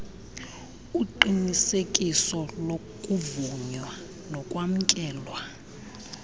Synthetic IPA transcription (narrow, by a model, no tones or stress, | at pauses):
uǃinisekʼisɔlo | kʼuvuɲwa | lɔkʼwam̩kʼɛːlwa